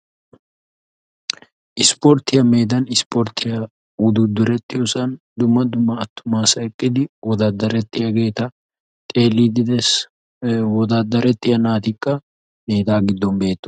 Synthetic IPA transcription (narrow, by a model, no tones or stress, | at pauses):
ʔɪspɔɾt̪ɪjɐme̞ːd̪ɐnɪspɔɾt̪ɪjɐ | ʊd̪ud̪ʊɾɛt̪ːɪjɔsɐn | d̪ʊmːɐd̪ʊmːɐːt̪ːʊmaːsɐɛkʼːɪd̪ɪwɔd̪aːd̪ːɐɾɛt̪ːɪjɐɡe̞ːt̪ɐ | t̪ʼeːlid̪d̪ɛs | wɔd̪aːd̪ɐɾɛt̪ːɪjɐnaːt̪ɪkʼːɐ | meːd̪aːɡɪd̪ːɔmbe̞ːt̪ːʊ̥